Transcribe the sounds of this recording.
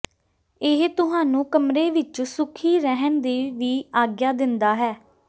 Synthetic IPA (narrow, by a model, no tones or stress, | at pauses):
ɪɦt̪ʊɦãːnũːkəmɾeːʋɪt͡ʃsʊkʰiːɾɛɦənd̪eːʋiːaːɡjaːd̪ɪnd̪aːɦɛː